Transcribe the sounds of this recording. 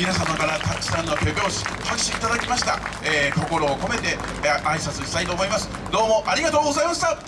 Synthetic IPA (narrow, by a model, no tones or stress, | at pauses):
mʲinasamakaɾat̪at͡ɕːi̥sãnːo̞kʲo̞bʲo̞ːɕi̥hakɕiːt̪ad̪akʲimaɕi̥t̪aeːko̞ko̞ɾo̞ːko̞me̞t̪e̞ | aisat͡sɨɕi̥t̪ait̪o̞ːmo̞imasɨ̥ | d̪o̞ːmo̞ʔaɾʲiɡat̪o̞ːɡo̞zaimaɕi̥t̪a